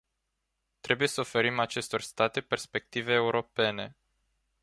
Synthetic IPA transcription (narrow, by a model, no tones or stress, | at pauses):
t̪ɾe̞buje̞səofe̞ɾimat͡ʃe̞st̪o̞rst̪at̪e̞pe̞rspe̞k̚t̪ive̞ːuɾo̞pe̞ne̞